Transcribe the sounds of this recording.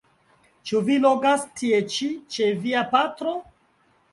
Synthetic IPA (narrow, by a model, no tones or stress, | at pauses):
t͡ʃuviloɡastʰiet͡ʃit͡ʃe̞viapatɾo̞